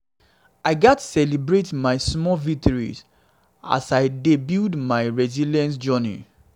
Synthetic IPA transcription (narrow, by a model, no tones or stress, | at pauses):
aɪɡatsɛlibɹetmaɪsmɔvik̚tɔɹḭs | a̰saɪdebildmaɪɹɛzilɛ̃ns̬d͡ʒɔnḭ